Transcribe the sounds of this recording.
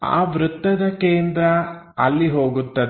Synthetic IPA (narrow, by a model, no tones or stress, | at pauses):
a̰ːʋɾut̪ːɐd̪ɐkeːnd̪ɾɐ | ɐlːiɦoːɡut̪ːɐd̪